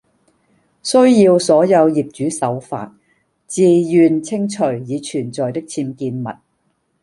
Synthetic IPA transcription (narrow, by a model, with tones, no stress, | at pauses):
sɵ˥ɥjiː˧wsɔː˨˥jɐ˨˧wjiː˨p̚t͡ʃyː˨˥sɐ˨˥wfa̰ː˨˧t̚ | t͡siː˨jyː˨nt͡sʰɪ˥ŋt͡ʃʰɵ˨˩ɥjiː˨˧t͡ʃʰyː˨˩nt͡sɔː˨jt̪ɪ˥k̚t͡sʰiː˧mkiː˧nmɐ̰˨t̚